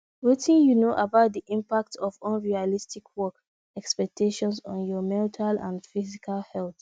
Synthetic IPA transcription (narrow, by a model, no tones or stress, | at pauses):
wetʰĩnjunoʔabaʊt̚diʔĩmpak̚tʰɔvɔ̃nɹialistikʰwɔk | ɛkspɛk̚tʰeʃɔ̃nsɔ̃njɔmɛ̃ntʰalã̰ndfizikʰalhɛlθ